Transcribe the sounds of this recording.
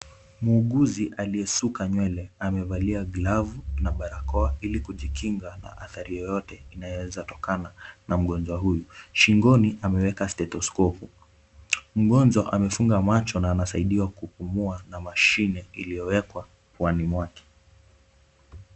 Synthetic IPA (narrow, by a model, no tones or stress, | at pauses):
muːɠuziʔaliɛsukaɲwɛlɛamɛvaliaɡlavunaɓaɾakɔailikuʄikiŋɡana̰ʔaθaɾijɔjɔtɛinajɔwɛzatɔkananam̩ɠɔnzwaɦujuʃiŋɡɔniʔamɛwɛkastɛtɔskɔpu | m̩ɠɔnzɔʔamɛfuŋɡamat͡ʃɔnaːnasaiɗiwakupumuanamaʃinɛilijɔwɛkwa | pwanimwakɛ̥